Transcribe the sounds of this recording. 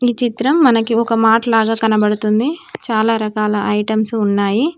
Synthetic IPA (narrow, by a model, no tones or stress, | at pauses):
iːt͡ʃit̪ɾɐmːɐnɐkiɔkɐmaːʈɐlaːɡaːkɐnɐbɐɽut̪und̪it͡ʃaːlaːɾɐkaːlɐʔɐjʈɐmsuunːaːji